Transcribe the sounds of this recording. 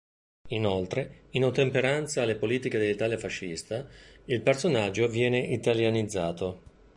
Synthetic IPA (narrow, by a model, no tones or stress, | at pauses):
inolt̪ɾeinot̪ːempeɾant̪saːlːepoliːt̪iked̪elːit̪aːljafaʃːist̪ailpersonad͡ʒːovjɛːneʔit̪aljanid̪zːaːt̪o